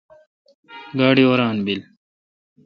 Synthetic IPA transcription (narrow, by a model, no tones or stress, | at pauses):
ɡaːɽioːɾaːnbil